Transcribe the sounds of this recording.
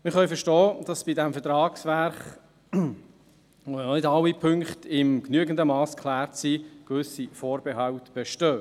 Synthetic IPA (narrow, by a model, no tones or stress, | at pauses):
mɪχœɥfɛɾʃtɔːd̥ɑsb̥idæmfɛtɾɑːksʋæɾχ | oɔnɪdɑlːipʰʏŋkχtɪmknyəɡəndəmɑːskʰlæːɾtsikʋʏsifoːɾbɛɦɑwtb̥ɛʃtøː